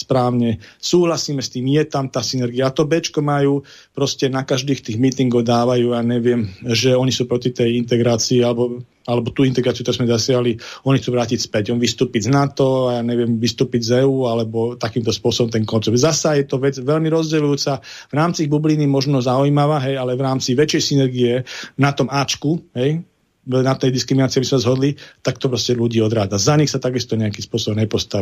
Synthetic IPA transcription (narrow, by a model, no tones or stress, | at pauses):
spɾaːʊɲɛsuːɦlasiːmɛst̪iːmjɛt̪amt̪aːsinɛɾɡijat̪ɔbɛt͡ʃkɔmajuː | pɾɔscɛnakaʒd̪iːxt̪iːɣmit̪iŋɡɔʊd̪aːʋajuːaɲɛʋɪɛmʒɛɔɲisuːpɾɔcit̪ɛjint̪ɛɡɾaːt͡siːalɛbɔ | alɛbɔt̪uːint̪ɛɡɾaːt͡siut̪ɔɾɛzmɛzasɪaɦliɔɲixt͡suːʋɾaːcicspɛcɔmʋist̪uːpiɟznat̪ɔajaːɲɛʋɪɛmʋist̪uːpiɟzɛːuːalɛbɔt̪akiːmt̪ɔspʊɔsɔbɔmt̪ɛnkɔnt͡sɛp̪zasajɛt̪ɔʋɛd͡zʋɛʎmiɾɔzɟɛlujuːt͡savɾaːmt͡siiɣbubliːnimɔʒnɔzaujmaʋaːɦɛjalɛʋɾaːmt͡siʋɛt͡ʃjɛjsinɛɾɡiɛnat̪ɔmaːt͡ʃkuɦɛj | nat̪ɛjd̪iskɾiminaːt͡siabizmɛszɦɔd̪lit̪ak̚t̪ɔpɾɔscɛluɟiːɔd̪ɾaːd͡zazaɲixsat̪aɡist̪ɔɲɛakiːspʊɔsɔbɔmɲɛpɔst̪a